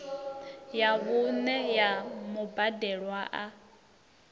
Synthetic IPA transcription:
jaβunɛjamubadɛɺwaʔa

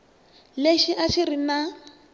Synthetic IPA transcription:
leʃiʔaʃiɾina

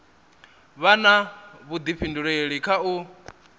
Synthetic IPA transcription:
βanaβud̪iɸʰinduɺeɺikʰau

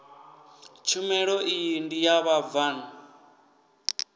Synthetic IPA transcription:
t͡ʃʰumɛɺɔʔijindijaβavaːna

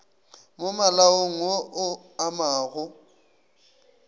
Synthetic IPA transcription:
mʊmalaoŋ̩oʔʊ | amaːɣʊ

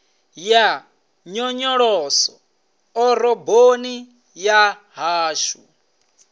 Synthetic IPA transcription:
ja | ɲɔɲɔɺɔːsɔ | ɔɾɔboni | jaɦaːʃu

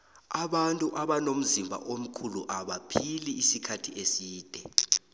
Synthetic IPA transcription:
aɓantʼuʔaɓanom̩zimbʱa̰ʔom̩kʰuluʔaɓapʰiliːsikʰatʰiʔesiːd̥ʱɛ

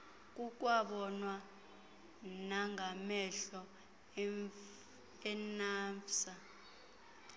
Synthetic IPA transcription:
k̬ʼuk̬ʼwaɓɔnwa | naŋʱamɛɬɔ | ɛnaːɱfsa

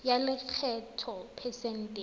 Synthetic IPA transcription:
jalɪk͡xʰɛtʰɔpʰɛsɛn̩tʼe

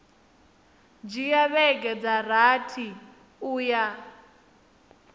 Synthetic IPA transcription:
d͡ʒijaβɛɡɛd͡zaratʰi | uːja

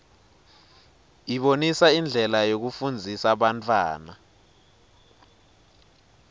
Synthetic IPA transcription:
iɓonisaind͡ɮʱɛlajok̬ufund͡zʱisaɓantʰʼwa̰ːna

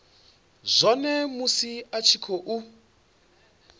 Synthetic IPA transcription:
zʷɔnɛmusiat͡ʃʰikʰoʔu

